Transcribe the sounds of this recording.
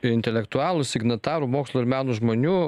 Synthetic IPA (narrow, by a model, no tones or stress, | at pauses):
ɪnʲt̪ʲɛlʲɛkt̪ʊɑːlˠuːsʲɪɡnɐt̪ɑːɾuːmoːkslˠʊːɪɾmʲæːnuːʒmoːnʲuː